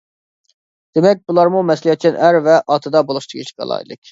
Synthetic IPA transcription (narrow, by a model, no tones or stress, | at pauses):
d̪̥emɛk̚ʲbulˠɑɾmumɛsliɑt̪̚t͡ʃʰɛnʔæɾvæʔɑt̪ʰɯd̪ɑbolˠuʃt̪ʰɯʁiʃɡɑ̰lˠɑ̰ḭlˠḭk